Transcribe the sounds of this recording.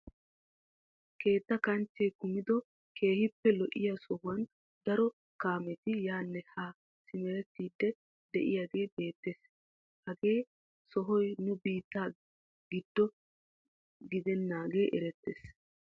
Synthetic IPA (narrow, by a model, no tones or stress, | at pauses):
ke̞ːt̪ːɐkɐnt͡ʃːɛjkʊmɪd̪ɔ | kʰe̞ːhɪpːɛlɔʔɪjasɔhʊwɐn | d̪ɐɾɔ | kaːmɛt̪ɪjaːnːɛhaː | sɪmɛɾɛt̪ːiːd̪ːɛ | d̪ɛ̰ʔɪjaɡe̞ːbe̞ːt̪ːeːs | hɐɡe̞ː | sɔɦɔjnʊbiːt̪ːaː | ɡɪd̪ːɔ | ɡɪd̪ɛnːaːɡe̞ːʔɛɾɛt̪ːḛːs